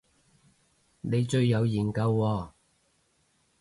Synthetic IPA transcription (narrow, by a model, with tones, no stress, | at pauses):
ne˨˧jt͡ʃɵ˧ɥːɐ˨˧wjiː˨˩nkɐ˧wːɔː˧